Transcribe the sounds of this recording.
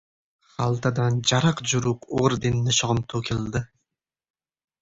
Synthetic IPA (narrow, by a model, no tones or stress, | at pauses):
χɑlˠt̪ad̪and͡ʒɑɾɑqd͡ʒʊɾʊqoʁɾd̪ɪnːɪʃoʁɨmt̪ʰokʲʰɪlˠd̪ɪ